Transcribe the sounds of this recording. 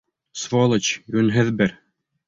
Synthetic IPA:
svolˠɤt͡ɕɡʉnɦɘðbɘɾ

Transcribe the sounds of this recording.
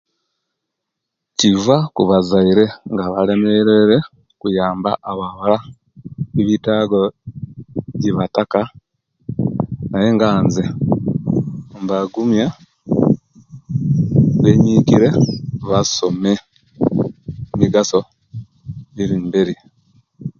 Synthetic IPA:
civakuβazaiɾe̞ŋɡaβalemeɾeɾe | kujaːmba̰ʔaβaβala | iβitaɡo | ɟiβataka | naje̞ŋɡaːnze | mbaɡumja | βeɲiciɾe̞βaso̞me | miɡaso̞ | iɾimbeɾi

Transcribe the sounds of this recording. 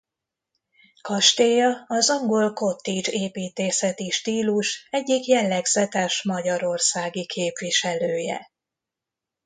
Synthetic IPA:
kɒʃt̪eːjɒɒzɒŋɡo̞lko̞t̪ːid͡ʒeːpiːt̪eːsɛt̪iʃt̪iːluʃɛɟːikjɛlːɛɡz̥ɛt̪ɛʃmɒɟɒɾo̞rsaːɡikʰeːpʋiʃɛløːjɛ̰

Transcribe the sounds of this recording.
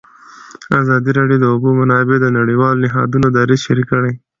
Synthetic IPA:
azɑd̪iɾeɖijod̪əʊbomanɑɪbed̪ənaɽiwɑlnɪɦɑ̰d̪unod̪ɑɾizʃaɾikəɽaj

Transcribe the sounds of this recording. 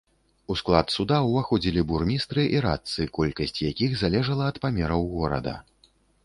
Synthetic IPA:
usklˠat̪sud̪awvaxɔd͡zʲilʲiburmʲist̪ɾɨʔiɾa̰t̪sɨkɔlʲkɐsʲt͡sʲjakʲixzalʲɛʐɐlˠɐɐt̪pamʲɛɾɐwɣɔɾɐ̰d̪ɐ̰

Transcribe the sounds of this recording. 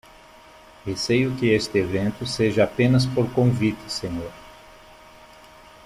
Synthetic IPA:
esejʊkɪest̪ɪevẽnt̪ʊseʒɐapẽnɐs̬poɾkõvit̪ɪ̥sẽɲoɾ

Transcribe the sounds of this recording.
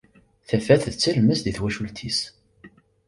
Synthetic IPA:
θæfæθðt͡sːəlməsðiθwæʃult̪ʰis

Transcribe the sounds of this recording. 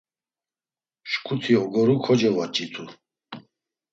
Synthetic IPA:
ʃkʰʼut̪ʰiɦɔɡɔɾukʰɔd͡ʒɛvat͡ʃʼit̪ʰu

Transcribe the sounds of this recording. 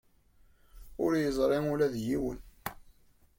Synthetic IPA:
ʊ̰ɾjəzˤɾˤemʊlæðjiwə̰n

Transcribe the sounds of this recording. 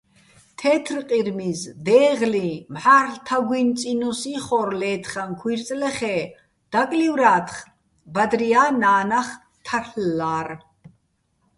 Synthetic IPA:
t̪ʰɛːt̪ʰrqʼiɾmisd̪ɛːʁlimħaːrɬt̪ʰaɡwint͡sʼinɔsiχɔɾlɛːt̪ʰχankʰwiɾt͡sʼlɛχɛː | d̪̥akʼliwɾaːt̪ʰχ | bad̪ɾiaːnaːnaχ | t̪ʰaɬːaːr

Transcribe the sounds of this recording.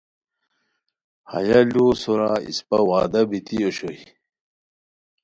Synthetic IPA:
hɐ̰jalosoɾaḭspɐwaːd̪ɐbit̪ioɕoi

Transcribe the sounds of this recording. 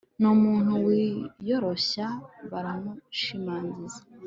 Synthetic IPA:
numuːn̥huwijo̞ɾo̞ɕaβaɾamuʃimaːnzizḁ

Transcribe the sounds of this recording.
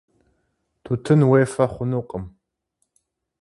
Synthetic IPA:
tʰutʰɨnweːfɐχʷʊnuqʼəm

